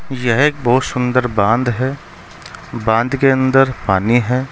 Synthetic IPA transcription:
jɐɦeːk̚bɔɦʊt̪sʊ̃nd̪əɾbãːnd̪ɦɛ | bãːnd̪keə̃nd̪əɾpaːniɦɛː

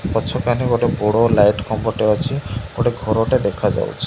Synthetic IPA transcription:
pɔt͡ʃʰɔkaneɡoʈeboɽolajʈkʰɔmbɔʈeɔt͡ʃʰiɡoʈeɡʱɔɾɔʈed̪ekʰad͡ʒa̰wt͡ʃʰi̥

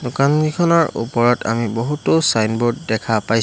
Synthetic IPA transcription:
dʊkanɡikʰɔnɔɹṵpɔɹɔta̰mibɔɦutosajnbotdɛkʰapaj

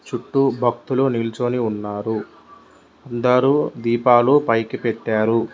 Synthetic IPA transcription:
t͡ʃuʈːubʱɐk̚t̪uloːnilt͡ʃoːniunːaːɾu | ɐnd̪ɐɾuːd̪iːpaːlupɐjkipeʈːaːɾu

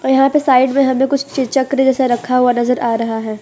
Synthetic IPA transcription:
ɔjɐɦãpesaːɪɖmẽɦɐmẽkʊt͡ʃʰt͡ʃɪt͡ʃɐkɾed͡ʒɛːsaɾɐkʰːaɦuanɐzəɾaːɾɐɦaɦɛː

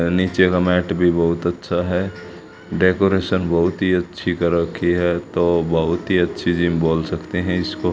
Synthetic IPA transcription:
niːt͡ʃekamɛːʈbʱibəɦʊt̪ətːʃʰaɦɛ | ɖekoːɾesənbəɦʊt̪ɦiətːʃʰikəɾəkʰiɦɛt̪obəɦʊt̪ɦiətːʃʰid͡ʒiːmboːlsəkt̪eɦɛ̃ɪsko

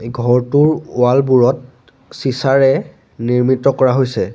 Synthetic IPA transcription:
ɡʱɔɹtuɹʊalbuɹɔt̚ | sisaɹɛ | niɹmitɔkɔɹaɦojsɛ

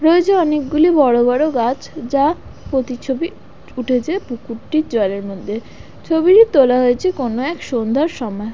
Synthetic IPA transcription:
ɾoed͡ʑeɔnek̚ɡulibɔɽobɔɾoɡat͡ɕd͡ʑapot̪it͡ɕʰobi | uʈʰet͡ɕʰebukuʈʈiɾd͡ʑɔeleɾmod̪ʱːe | t͡ɕʰobiɾit̪olaɦoet͡ɕʰekonoɛkʃond̪ʱaɾʃɔmɔe

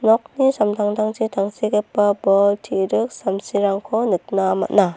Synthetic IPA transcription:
nɔk̚nisamtʰaŋtʰaŋsitʰaŋsikapabɔltʰiɾɯk̚samsiɾaŋkʰɔnɯt̚nama̰t̚na

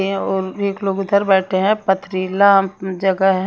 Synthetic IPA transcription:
ɔːɾeːkloːɡd̪ʱəɾbɛːʈʰeɦɛ̃pɐt̪ʰɾilad͡ʒɐɡəɦɦɛ

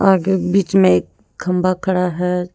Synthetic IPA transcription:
aːɡekbiːt͡ʃmẽeːk | kʰɐ̃mbakʰɐɽaɦɛ

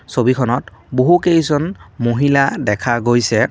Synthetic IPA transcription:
sobikʰɔnɔtboɦukejzɔnmoɦiladɛkʰaɡojsɛ

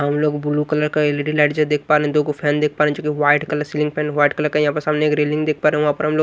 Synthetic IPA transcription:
ɦɐmloːɡbʊlukɐləɾkaeleʈilaɪʈd͡ʒad̪eːk̚ʰpaːɾeɦɛ̃d̪oːɡopʰɛ̃ːnd̪eːk̚ʰpaɾeɦɛ̃d͡ʒokiʋaːɪʈkɐləɾsilɪ̃ŋɡ̚pʰɛ̃ːnʋaːɪʈkɐləɾkɐjɐɦãpəɾsaːmneeːkɾeːlɪ̃ŋɡd̪eːk̚ʰpaːɾeɛ̃ʋɐɦãːpəɾɦɐmloː

